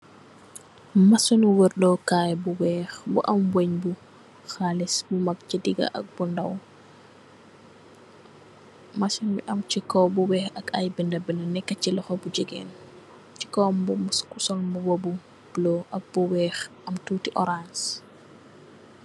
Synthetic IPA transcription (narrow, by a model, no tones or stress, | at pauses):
mɐsɔnwəɾdɔkaːjbuwɛːxbṵʔɐmbweɲbu | xalisbumɐk̚cidiɡɐ̰ʔɐ̰k̚bundɐw | mɐsɔnbḭʔɐmt͡ʃikɔbuwɛːxɐkɐjbindɐbɛnɐnɛkːɐcilɔxɔbud͡ʒəɡɛ̰ːn | ci̥kɔmbumskusɔlbuwobu | b̥lɔʔɐk̚buwɛːxʔɐmtuːtiʔɔɾans